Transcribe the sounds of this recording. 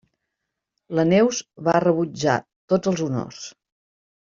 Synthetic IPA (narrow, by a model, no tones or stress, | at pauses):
lənɛwzβarəβud͡ʒa̰ | t̪od͡zəlˠzuno̰s